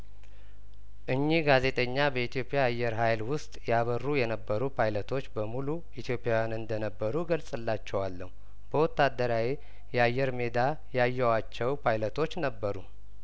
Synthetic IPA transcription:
ʔɨɲːiɡaze̞t̪ʼəɲːabəit̪ʰijo̞pʼijaːjːɛɾɦajlwʊst̪ʼjaβərːujɛnəbːəɾupʰajlət̪ʰo̞t͡ʃːbəmulu | it̪ʰjo̞pʼjawjanɨnd̪ənəbːəɾuɡəlsʼɨlːat͡ʃːɛwalːəhu | b̥əwɔt̪ːad̪ːəɾawe | jɛajːɛɾme̞d̪a | jajːɛwat͡ʃːɛwpʰajlət̪ʰo̞t͡ʃːnəbːəɾu

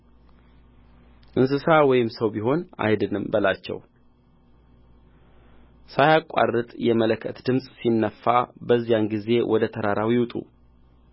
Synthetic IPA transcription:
ʔɨns̬ɨsawɔjɪmsəwbiɦo̞na̰jd̪ɨnɨmbəlat͡ʃːɛ̰w | sajakʷʼːa̰rːɨt̪ʼjɛmələkʰːət̪d̪ɨmsʼsinːəfːabəzːijanɡize̞wʔɔd̪ət̪ʰəɾaɾawiwt̪ʼṵ

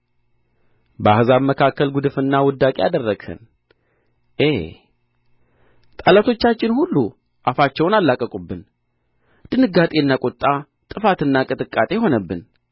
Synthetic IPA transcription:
bəahzabməkʰakːəlɡud̪ɨfɨnːawɔd̪ːakʼea̰d̪ərːəɡhə̰n | ʔe | t̪ʼalat̪ʰo̞t͡ʃːat͡ʃːɪnhulːu | ʔafat͡ʃːɛwnalːakʼəkʼubːɨn | d̪̥ɨnɨɡat̪ʼe̞ɨnːakʼot̪ʼːa | t̪ʼɨfat̪ɨnːakʼɨt̪ʼɨkʼːat̪ʼe̞ɦo̞nəbːɨn

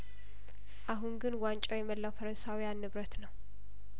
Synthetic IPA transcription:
ʔaɦunɡɨnwant͡ʃʼawjɛməlːawfəɾənsawijanːɨβɾət̪nəw

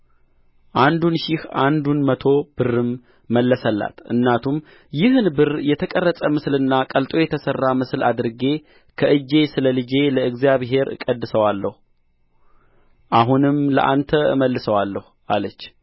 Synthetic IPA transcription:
ʔand̪unʃɪhʔand̪unmət̪ʰo̞b̥ɨrːɨmː | əlːəsəlːa̰t̪ʔɨ̰nːat̪ʰum | jɪhnbɨrjɛt̪ʰəkʼərːəsʼəmɨslɨnːakʼəlt̪ʼo̞jɛt̪ʰəsərːamɨslʔad̪ɨɾɡe̞ | kʰəʔɨd͡ʒːe̞sɨləlɨd͡ʒe̞ləɨɡzijaβɦe̞ɾkʼəd̪ːɨsəwalːəhu | ʔaɦunɨmlə̰ʔa̰nt̪ʰəɨ̰məlːɨsəwalːəhuʔalət͡ʃː

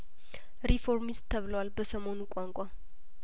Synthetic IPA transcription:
ɾifo̞ɾmist̪ʰːəβɨləwalbəsəmo̞nukʷʼaŋkʷʼa

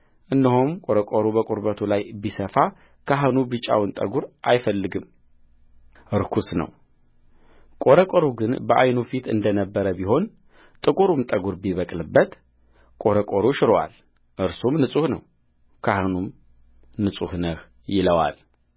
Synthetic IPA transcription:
ʔɨnːihumkʼoɾəkʼoɾubəkʼuɾbət̪ʰulajbisəfa | kʰaɦɨnubɨt͡ʃʼa̰wɨnt̪ʼə̰ɡuɾʔajfəlːɨɡɨm | ʔɨɾkʰusnə̰w | kʼoɾəkʷʼoɾuɡɨnbəʔajnufit̪ɨ̰nd̪ənəbːəɾəbiɦo̞n | t̪ʼɨkʼuɾumt̪ʼəɡuɾbiβəkʼlɨbːət̪ | kʼo̞ɾəkʼoɾuʃɪɾowa̰l | ʔɨɾsumnɨsʼuhnəw | kʰahɨnum | nɨsʼuhnəh | jɪləwa̰l

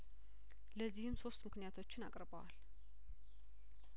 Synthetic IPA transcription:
ləzːihɨmso̞st̪mɨknijat̪ʰo̞t͡ʃːɪna̰kʼɾbəwa̰l

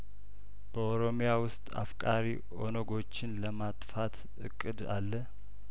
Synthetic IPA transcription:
b̥əoɾo̞mijawʊst̪ʼa̰fkʼaɾi | o̞̰nəɡo̞t͡ʃːɪnləmat̪ʼfat̪ʰ | ɨ̰kʼːɨd̪a̰lːə

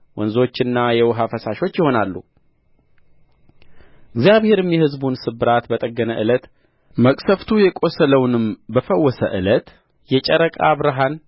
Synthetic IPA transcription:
wɔnzo̞t͡ʃːɪnːajɛwɦafəsaʃo̞t͡ʃːjɪho̞nalːu | ʔɨɡzijaβhe̞ɾɨmjɛhɨzbunsɨbɨɾat̪bət̪ʼəɡːənəʔɨlət̪ | məkʼsəft̪ʰujɛkʼo̞sələwnɨmbəfəwːɔsə̰ʔɨ̰lət̪ | jɛt͡ʃʼəɾəkʼa̰βɾɨɦan

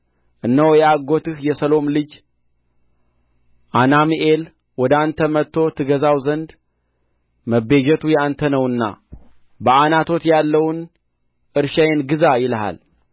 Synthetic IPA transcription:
ʔɨnːəwjɛaɡo̞t̪ɨhjɛsəlo̞mlɨd͡ʒ | ʔanamiʔe̞l | wɔd̪ant̪ʰəmət̪ʰːo̞t̪ʰɨɡəzawzənd̪ | məbe̞d͡ʒɛt̪ʰujɛant̪ʰənəwɨnːa̰ | bəanat̪ʰo̞t̪jalːəwn | ʔɨɾʃajenɡɨzajɪləɦa̰l

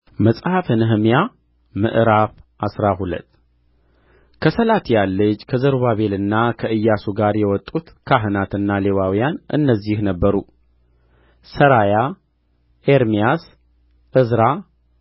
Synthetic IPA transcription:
məsʼhafhɨnɨɦɨmja | mɨ̰ʔɨɾafʔasɾaɦulə̰t̪ː | kʰəsəlat̪jalːəd͡ʒkʰəzəɾβaβe̞lɨnːakʰəɨjːasuɡaɾjɛwɔt̪ʼːut̪kʰaɦɨnat̪ɨnːale̞wawijanʔɨ̰nːəzːihnəbːəɾu | səɾaja | ʔeɾmijas | ʔɨzɾa

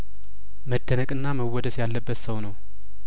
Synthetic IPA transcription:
məd̪ːənəkʼɨnːaməwːɔd̪əsjalːəbːət̪səwnəw

